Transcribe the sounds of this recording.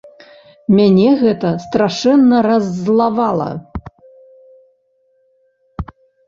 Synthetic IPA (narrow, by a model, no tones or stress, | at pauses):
mʲanʲɛɣɛt̪ɐst̪ɾaʂɛnːɐɾɐzːlˠavalˠɐ̰